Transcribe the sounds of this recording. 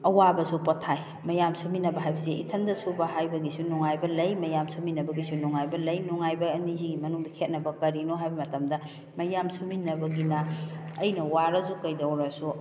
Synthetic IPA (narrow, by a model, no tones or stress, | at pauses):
ɐwabɐsupotʰːaj | mɐjamsuminːɐbɐɦajbɐseḭtʰɐndɐsubɐɦajbɐɡisunɔŋajbɐlɐjmɐjamsuminːɐbɐɡisunuŋajbɐlɐjnuŋajbɐːniziɡimɐnuŋdɐkʰet̚nɐbɐkɐɾinoɦajbɐmɐtɐmdɐ | mɐjamsuminːɐbɐɡinɐːjnɐwaɾɐzukɐjdɐwɾɐsu